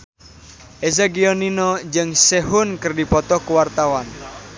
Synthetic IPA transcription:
ʔezaɡiɔninɔd͡ʒɨŋseɦʊnkɨrdipɔt̪ɔkuwart̪awan

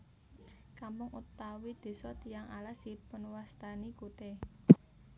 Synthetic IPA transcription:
kampʊŋut̪awid̪̥e̤sɔt̪ijaŋa̰lasipənwast̪anikut̪e

